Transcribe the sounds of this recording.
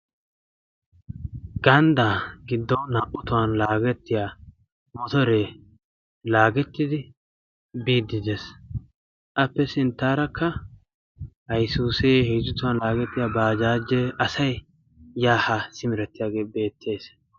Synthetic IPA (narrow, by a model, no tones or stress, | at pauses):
ɡ̥ɐnd̪aːɡɪd̪ːɔwnɐʔʊt̪ʊwanlaːɡɛt̪ːɪjaː | mɔt̪ɔɾeː | laːɡɛt̪ːɪd̪ɪ | biːd̪ːɪd̪es | ʔɐpːɛsɪnt̪ːaːɾɐkʰːɐ | hɐjsuːseːhiːzʊt̪ʊwɐnlaːɡɛt̪ːɪjaːbaːd͡ʒaːd͡ʒːeʔɐsɐj | jaːhasɪmɪɾɛt̪ːɪjaːɡe̞ːbe̞ːt̪ʰːe̞ːs